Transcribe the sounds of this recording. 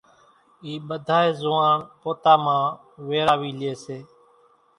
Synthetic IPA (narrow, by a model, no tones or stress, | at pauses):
iːɓəd̪ʱaːeːzʊʋaːnpoːt̪aːmãː | ʋeːɾaːʋiːlɪeːseː